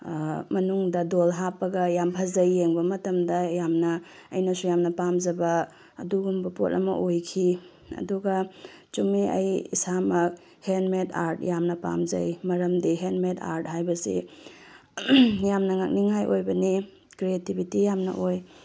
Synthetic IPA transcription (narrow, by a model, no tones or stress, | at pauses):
mɐnuŋdɐdolɦapːɐɡɐjampʰɐzɐjːeŋbɐmɐtɐmdɐjamnɐː | jnɐsujamnɐpamzɐbɐː | duɡumbɐpo̰tɐ̰mɐ̰ʔojkʰi | ɐ̰duɡɐ | t͡ʃumiʔɐ̰jḭsamɐk̚ | henmeta̰ɾtjamnɐpa̰mzɐ̰jmɐɾɐmdiɦenmeta̰ɾt̚ɦajbɐsḭ | jamnɐŋak̚niŋajʔojbɐni | kɾietibʱitijamnɐ̰ʔoj